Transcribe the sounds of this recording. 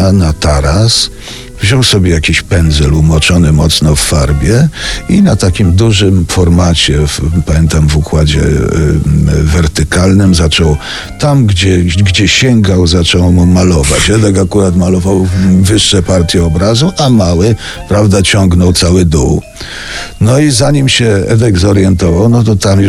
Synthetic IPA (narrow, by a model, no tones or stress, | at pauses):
nat̪aɾas | vʑɔwsɔbʲɛjakʲiɕpɛnd̪zɛlumɔt͡ʂɔnɘmɔt̪snɔfːaɾbʲjɛinat̪akʲimd̪uʐɘmfɔɾmat͡ɕɛfpamʲjɛnt̪amvukwad͡ʑɛ̰ | vɛɾt̪ɘkalnɘmzat͡ʂɔw | t̪amɡd͡ʑɛɡd͡ʑɛɕɛŋɡawzat͡ʂɔwmumalɔvat͡ɕɛd̪ɛkakuɾat̪malɔvawvɘʂːɛpaɾt̪ʲjɛɔbɾazuʔamawɘ | pɾavd̪at͡ɕɔŋɡnɔwt̪sawɘd̪uw | nɔizaɲimɕɛɛ̰d̪ɛɡzɔɾjɛnt̪ɔvawnɔt̪̬ɔt̪amj